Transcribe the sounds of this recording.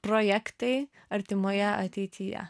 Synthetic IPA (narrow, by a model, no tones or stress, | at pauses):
pɾɔjɛkt̪ɐɪ | ɐɾʲt̪ʲɪmoːjɛʔɐt̪ʲɛɪt̪ʲʰijɛ̰